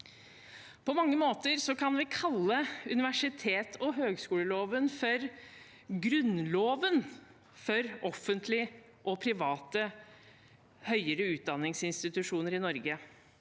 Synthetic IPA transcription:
pʰɔmɑŋːəmoːt̪əɾsɔkʰɑnʋɪkʰɑlːəʉnɪʋæʂɪt̪ʰeːt̪ʰɔɦøːɡskuːləloːʋənfɔɾ | ɡɾʉnloːʋən | fɔɾɔfːənt̪ʰlɪ | ʔɔpʰɾɪʋɑːt̪ə | hœʏəɾəʉːt̪̚d̪ɑnːɪŋsɪnst̪ɪt̪ʉʂuːnəɾɪnɔɾɡə

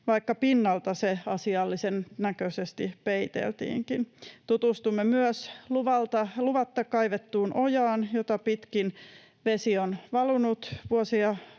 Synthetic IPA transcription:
ʋɑikːɑpinːɑlt̪ɑseɑsiɑlːisennækøsest̪ipeit̪ḛlt̪ḭːŋkint̪ut̪ust̪umːemyøsluʋɑlt̪ɑluʋɑt̪ːɑkɑiʋet̪ːuːnʔojɑːnjot̪ɑpit̪kin | ʋesionʋɑlunut̪ʋuosiɑ

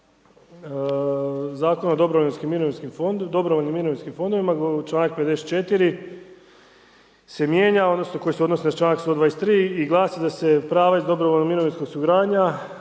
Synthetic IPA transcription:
zaːkonaod̪o̞bɾoʋoinskimːiɾoʋinskimd̪o̞bɾoʋoʎnimːiɾoʋinskimfo̞nd̪o̞ʋimat͡ʃlˠaːnak̚ped̪d̪e̞set̪t͡ʃe̞t̪iɾi | se̞mjeːɲaod̪nosnoko̞jiseo̞d̪nosinat͡ʃlˠaːnakst̪od̪ʋaːest̪ɾiːiɡlˠaːsid̪ase̞pɾaːʋaizd̪o̞bɾoʋoʎnomiɾoʋinsko̞ɡsuɡɾaːɲa

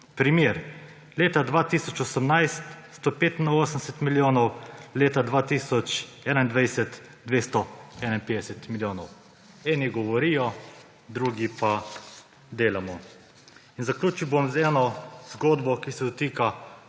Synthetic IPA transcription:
pɾimjeɾ | leːt̪ad̪ʋaːt̪isɔt͡ʃɔsəmnajst̪st̪ɔpeːt̪inɔoːsənsɛt̪miljoːnɔwleːt̪ad̪ʋaːt̪iːsɔt͡ʃ | ɛːnaind̪ʋajsɛt̪ | d̪ʋeːst̪ɔɛnainpeːd̪ɛsɛt̪miljoːnɔw | ɛːniɡɔʋɔɾiːjɔ | d̪ɾuːɡipa | d̪eːlamɔ | inzaklʲjuːt͡ʃiwbomzɛːnɔzɡoːd̪bɔkisɛd̪ɔt̪iːka

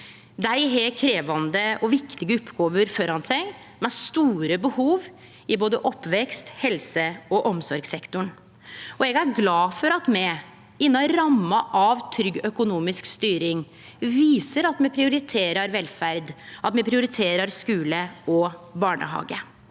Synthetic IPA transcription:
d̪æɪɦeːlkʰɾeːʋɑnd̪əɔʋɪkt̪ɪɡəʊpːɡoːʋəɾfɔɾɑnsɛɡ | mɛst̪uːɾəbəhuːʋ | ɪboːd̪əʔɔpːʋɛkst̪hɛlsəɔʔɔmsɔɾɡsɛkt̪ʊɳ | ɔɛɡæɾɡlɑːfɔɾɑt̪mɛ | ɪnːɑɾɑmːɑʔɑʋt̪ʰɾʏɡœkʊnuːmɪskst̪yːɾɪŋ | ʋiːsəɾɑt̪mɛpʰɾɪʊɾɪt̪ʰeːɾɑɾʋɛlfæɾd̪ʔɑt̪mɛpʰɾɪʊɾɪt̪ʰeːɾɑɾskʉːləɔbɑːɳə̰ɦɑ̰ːɡə

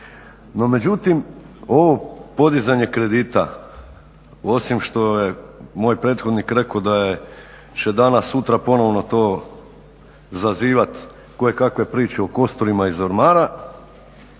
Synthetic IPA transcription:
no̞me̞d͡ʑut̪imo̞ʋo̞po̞d̪izaɲe̞kɾe̞d̪iːt̪a̰ | o̞simʃt̪o̞jemoːjpɾeːt̪xo̞d̪nikɾe̞kod̪aje | t͡ɕed̪anasːut̪ɾapo̞no̞ʋno̞t̪o̞ː | zaziːʋat̪ | ko̞je̞kakʋe̞pɾiːt͡ʃeoko̞st̪oɾimaizoɾmaːɾa

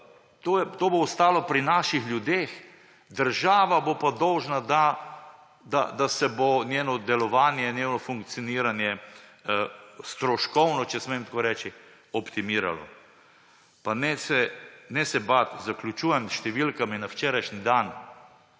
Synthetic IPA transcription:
t̪ojɛt̪oːboʊst̪aːlɔpɾinaːʃixlʲjud̪eːx | d̪əɾʒaːʋabopad̪ɔwʒnad̪a | d̪a̰d̪asɛbonjeːnɔd̪ɛlɔʋaːnjɛnjenɔfuŋk̚t̪sijoɔniːɾanjɛ | st̪ɾɔʃkɔwnɔt͡ʃɛsmɛjmt̪koːɾɛːt͡ʃi | ɔpt̪imiːɾa̰lɔ̰ | panɛsɛnɛsɛbat̪zaklʲjut͡ʃuːjɛmʃt̪ɛʋilkaminawt͡ʃɛːɾajʃnid̪an

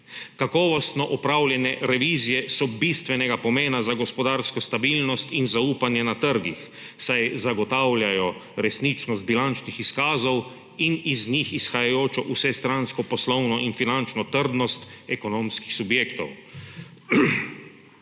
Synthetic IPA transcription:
kakɔːʋɔst̪nɔʔɔpɾawlʲjɛnɛɾɛʋiːzijɛsɔbist̪ʋɛnɛɡapɔmeːnazaɡɔspɔd̪aːɾskɔst̪abilnɔst̪inzauːpanjɛnat̪əɾɡix | sajzaɡɔt̪awlʲjajɔɾɛsnit͡ʃnɔst̪̚bilant͡ʃnixiskaːzɔw | iniznixisxajajoːt͡ʃɔʔusɛst̪ɾanskɔpɔslɔwnɔʔinfinant͡ʃnɔt̪əɾd̪nɔst̪ɛkɔnoːmskixsubjeːkt̪ɔ̰w

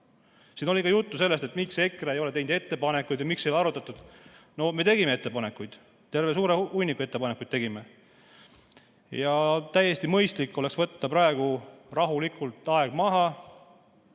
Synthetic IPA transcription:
sino̞lʲikɑjut̪ːuse̞lːe̞st̪et̪mikse̞kreejo̞let̪e̞jnd̪e̞t̪ːe̞pɑne̞kːujd̪jɑmiksejlɑɾut̪ːˑɑt̪ːˑud̪̥no̞me̞t̪e̞ɡ̥ime̞e̞t̪ːepɑne̞kːˑujd̪̥ | t̪e̞rve̞s̬uːɾeujnikːˑue̞t̪ːepɑnekːˑujd̪̥̚t̪e̞ɡime | jɑt̪æjːe̞st̪imɤjst̪likːˑo̞le̞ksvɤt̪ːɑpɾɑe̞ɡ̥urɑɦulikːˑult̪ːˑɑe̞ɡ̥mɑɦɑ

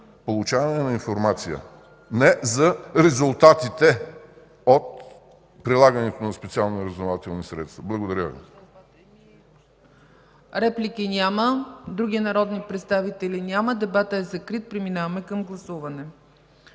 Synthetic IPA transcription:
polˠut͡ʃavɐnɛnɐinfoɾmat̪sijə̰ | nɛzɐɾɛzulˠt̪at̪it̪ɛ | ot̪ | pɾilˠaɡənɛt̪onɐspɛt̪sialˠniɾəzd̪ovat̪ɛlˠnisɾɛ̰t̪st̪vɐblˠɐɡod̪ɐɾʲəvḭ | ɾɛplʲikinʲaməd̪ɾuɡʲinɐɾɔd̪nipɾɛt̪st̪avit̪ɛlʲinʲaməd̪ɛbat̪əɛzɐkɾit̪̚pɾiminavɐmɛkɐmɡlˠɐsuvɐnɛ

